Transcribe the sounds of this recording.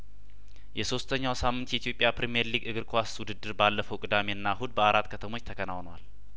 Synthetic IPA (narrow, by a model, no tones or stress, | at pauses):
jɛso̞st̪ʰəɲːawsamːɨnt̪jɛit̪ʰjo̞pʼjapɾemijeɾliɡɨɡɨɾkʼwaswʊd̪ɨd̪ːɨɾbalːəfəwkʼɨd̪ame̞ɨnːaɦud̪̚bəaɾat̪ːkʰət̪ʰəmo̞t͡ʃːt̪ʰəkʰənawnwa̰l